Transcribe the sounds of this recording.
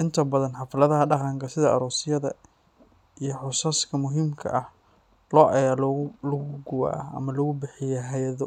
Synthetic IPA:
ʔɪnt̪ʰɐbɐðɐnħɑflɐðɐɦɐɖɑqɑŋkʰɐsɪðɐʔɐ̰ɾuːsɪjɐðɐ̰ | ijɞħʊsaːskʰɐmʊɦiːmkʰɐ̰ʔɐh | lɔːʔɐjaːllɐɣʊɡʊwa̰ːɐɐ̰mɐlɔɣʊbɪħɪjɛɦɐjɐðɔ

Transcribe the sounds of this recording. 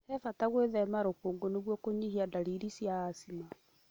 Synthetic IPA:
ɛfataɣweðɛmaɾokoːŋɡoneɣwɔkoɲihiadaɾiɾisjaːsima

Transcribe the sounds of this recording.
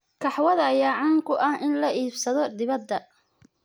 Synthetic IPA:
kʰɑħwɐðɐɐjaːʕɑːŋkʰʊʔɐhɪnlɐʔiːbsɐðɔd̪ɪβɐd̪ːɐ

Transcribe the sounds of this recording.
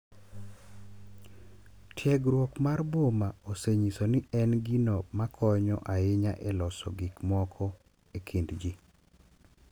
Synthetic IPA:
tjɛɡɾwokmarbomaoseɲisonɪɛnɡinomakʰɔɲɔ̰ʔaɪɲaʔɛlɔsɔ̰ɡɪkmɔkʰɔ | ekʰindd͡ʒi

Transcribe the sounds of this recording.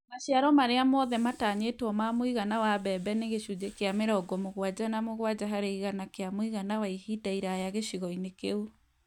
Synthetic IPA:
maɕiaɾɔmaɾeamɔðɛmataːɲetwɔmamoiɣanawaβɛbɛneɣeʃud͡ʒekeameɾɔɡɔmoɣwad͡ʑanamoɣwad͡ʑaɦaɾeiɣanakeamoiɣanawaihidaiɾajaɣeɕiɣɔinekeu

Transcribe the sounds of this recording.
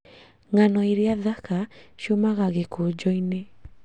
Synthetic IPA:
ŋanɔiɾeaðakaʃiomaɣaɣekod͡ʒɔine

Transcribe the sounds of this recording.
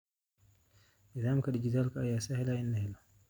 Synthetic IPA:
nɪðaːmkɐdɪd͡ʒɪd̪aːlkʰɐːjaːsɛhɛlaɪnːɐhɛlɔ

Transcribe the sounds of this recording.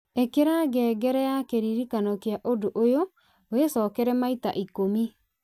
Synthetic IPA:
ekeɾaɡɛɡɛɾɛjakeɾiɾikanɔkeaʔodoʔojo | wesɔkɛɾɛmaita̰ʔikomi

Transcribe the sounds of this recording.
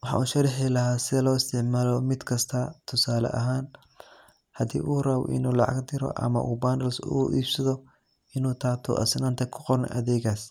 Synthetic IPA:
wɑħɑ̰uːʃɐɾħilɐɦaːsɪðɛlɔːɪst̪ʰɪʕmaːlɔmɪd̪kʰɐst̪ʰɐt̪ʰʊsaːlɐ̰ʔɐ̰ɦaːn | hɐd̪ḭːʔuːrɐw̰ʔɪ̰nuːlɑʕɑ̰ɡd̪ɪɾɔ̰ʔɐ̰mɐ̰ʔuːbaːnd̪ɐlsṵːʔiːbsɐðɔ | ɪnuːt̪ʰaːt̪ʰṵʔɐ̰sɪnaːnt̪ʰɛkʰʊ̥qɔrnɔ̰ʔɐðɛːɣaːs

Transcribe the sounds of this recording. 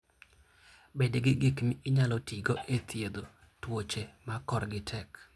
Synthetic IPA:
bedɡɪɡɪkmɪɪɲalɔtʰiɡoʔet̪ʰjed̪o | twot͡ʃemakɔɾɡɪtʰɛk

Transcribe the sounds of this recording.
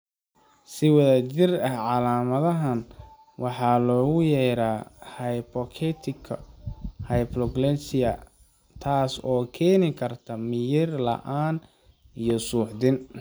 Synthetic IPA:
sɪwɐðæt͡ʃɪrɐhʕɑlaːmɐðɐɦɐn | wɑħɑːlɔːɣʊjɛɾaːhɐjpʰɔkʰɛt̪ʰɪkʰɐhɐjplɔɡlɛsɪɐ | t̪ʰaːsɔːkʰɛːnɪkʰɐrt̪ʰɐmɪjɪrlɐ̰ʔaːn | ijɔsuːħðɪn

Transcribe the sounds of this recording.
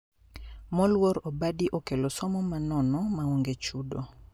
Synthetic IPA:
mɔlwɔɾɔbadiʔokelɔsɔmɔmanɔnɔmawoŋɡet͡ʃudo

